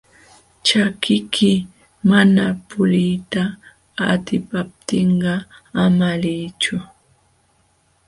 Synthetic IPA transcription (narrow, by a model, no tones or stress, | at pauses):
t͡ʃakʰɪkʰɪ | manapʊɾɪjt̪a | at̪ɪpap̚t̪ɪɴɢɑamalɪjt͡ʃʊ